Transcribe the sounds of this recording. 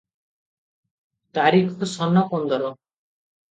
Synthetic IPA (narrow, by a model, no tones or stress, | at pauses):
t̪aɾikʰɔ̥kusɔnːɔkɔnd̪ɔɾɔ